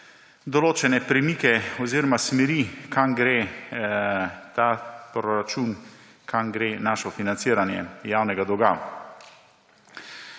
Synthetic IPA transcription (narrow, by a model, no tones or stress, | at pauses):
d̪ɔloːt͡ʃɛnɛpɾɛmiːkɛɔziːɾɔmasmɛɾikamɡɾeː | t̪apɾɔɾat͡ʃun | kʰamɡɾenaːʃɔfinant̪siːɾanjɛ̰jaːwnɛɡad̪ɔɡa̰